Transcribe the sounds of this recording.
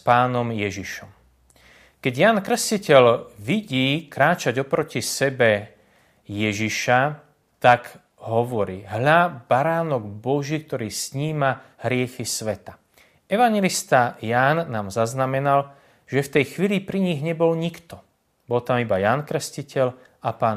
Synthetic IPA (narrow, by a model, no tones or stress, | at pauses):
spaːnɔmjɛʒiʃɔm | kɛɟjaːnkɾscicɛlʋiɟiːkɾaːt͡ʃaɟɔpɾɔcisɛbɛ | jɛʒiʃa | t̪aɡ | ɦɔʋɔɾiːɦʎabaɾaːnɔɡbɔʒiːk̚t̪ɔɾiːsɲiːmaɦɾɪɛxisʋɛt̪a | ɛʋaɲjɛlist̪ajaːnːaːmzaznamɛnal | ʒ̥ɛft̪ɛjxʋiːlipɾiɲiɣɲɛbɔlɲikt̪ɔ | bɔlt̪amibajaːnkɾɛscicʰɛl | apaːn